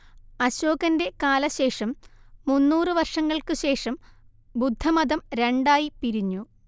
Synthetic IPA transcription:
ɐɕoːɣɐnde̞kaːlɐɕe̞ːʂɐmːunːuːrɨʋɐrʂɐŋːɐɭkɨɕe̞ːʂɐm | bud̪ʱːɐmɐd̪ɐmɾe̞ɳɖaːjipiɾiɲːu

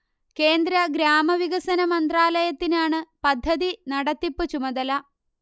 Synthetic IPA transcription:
ke̞ːnd̪ɾɐɡɾaːmɐʋiɣɐsɐnɐmɐnd̪raːlɐjɐt̪ːinaːɳɨpɐd̪ʱːɐðinɐɽɐt̪ːipːɨt͡ɕumɐðɐlɐ

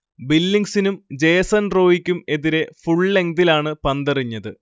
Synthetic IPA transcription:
bilːiŋɡsinumd͡ʑe̞ːsɐnro̞ːʋikʲːume̞ðiɾe̞fuɭle̞ŋd̪ilaːɳɨpɐnd̪ɐriɲːɐðɨ

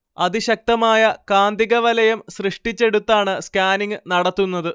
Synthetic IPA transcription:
ɐðiɕɐk̚t̪ɐmaːjɐkaːnd̪iɣɐʋɐlɐjɐmɕrɨʂʈit͡ɕːe̞ɽut̪ːaːɳɨskaːniŋɡɨnɐɽɐt̪ːunːɐðɨ

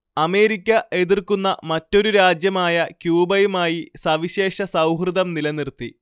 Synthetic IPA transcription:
ɐme̞ːɾikʲːɐʔe̞ðirkunːɐmɐtːo̞ɾuɾaːd͡ʑjɐmaːjɐkjuːbɐjumaːjisɐʋiɕe̞ːʂɐsɐwɦrɨðɐmnilɐnirt̪i

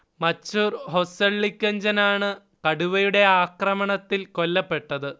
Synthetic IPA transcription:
mɐt͡ɕːuːrho̞seɭːikʲːɐɲd͡ʑɐnaːɳɨ | kɐɽuʋɐjuɽe̞aːkrɐmɐɳɐt̪ːilko̞lːɐpːe̞ʈːɐðɨ

